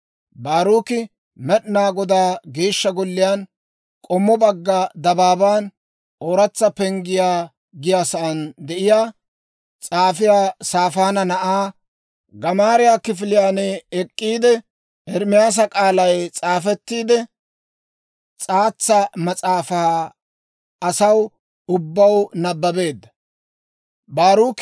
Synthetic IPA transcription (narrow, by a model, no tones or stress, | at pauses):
baːɾuːkɪ | mɛɗnaːɡɔd̪aːɡeːʃːɐɡɔlːɪjaːn | kʼɔmːɔbɐɡːɐd̪ɐbaːbaːn | oːɾɐt͡sːɐpɛŋɡɪjaː | ɡɪjaːsɐʔɐnd̪ɛʔɪjaː | t͡sʼaːfɪjaːsaːfaːnɐnɐʔaː | ɡɐmaːɾɪjakɪfɪlɪjaːnɛɛkʼːiːd̪ɛ | ɛɾmɪjaːs̬ɐkʼaːlɐjt͡sʼaːfɛt̪ːiːd̪ɛ | t͡sʼaːt͡sːɐmɐt͡sʼaːfa | ɐsɐw | ʊbːɐwnɐbːɐbe̞ːd̪ːɐ | baːɾuːk